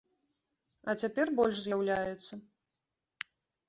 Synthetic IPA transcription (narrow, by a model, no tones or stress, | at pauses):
ɐt͡sʲapʲɛrbɔlʲʂzʲjawlʲajɛt̪sːɐ